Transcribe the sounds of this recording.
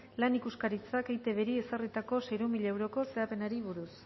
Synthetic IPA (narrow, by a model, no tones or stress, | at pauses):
lanikuskaɾit͡sakejt̪e̞βe̞ɾie̞sarit̪ako̞sejɾumiʎaewɾo̞ko̞se̞ape̞naɾiβuɾus